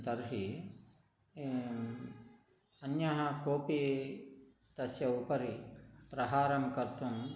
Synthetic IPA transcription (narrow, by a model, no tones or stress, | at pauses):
t̪ɐɾɦi | ɐnjɐɦɐkoːpi | t̪ɐsjɐupɐɾipɾɐɦaːɾɐmkɐɾt̪um